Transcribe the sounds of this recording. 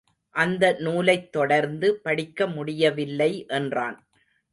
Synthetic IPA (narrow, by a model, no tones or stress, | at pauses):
ʔɐnd̪ɐnuːlɐɪt̪ːɔɽɐɾnd̪ɯpɐɽɪkːɐmʊɽɪjɐʋɪlːɐɪʔɛndra̰ːn